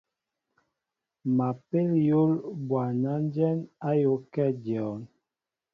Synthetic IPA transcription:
ma˨pe˦ljo˦lbwa˨na˦n˦d͡ʒɛ˦na˦jo˨˦kɛ˦˨djɔ˨˦n

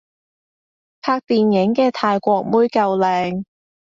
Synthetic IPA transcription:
pʰaː˧k̚t̪iː˨njɪ˨˥ŋkɛː˧t̪ʰaː˧jkʷɔː˧k̚muː˥jkɐ˧wlɛː˨˧ŋ

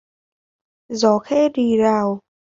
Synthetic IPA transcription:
zɔ˨˩˦xɛ˧˥ɗi˧˩zaː˨˩w

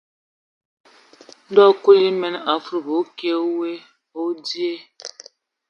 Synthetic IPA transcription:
dɔ˦kʷu˦ji˦me˦n˦a˨fu˦ɾbo˨˦ke˦o˦we˦ | o˦di˦e˦

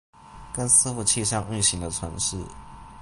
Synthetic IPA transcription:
kə˦nsɹ̩˥fu˥˩t͡ɕʰi˥˧ʂɑ˥˧ŋy˥˩ɕi˧˥ŋd̪ə˧t͡sʰwə˧˦nʂɻ̩˥˩

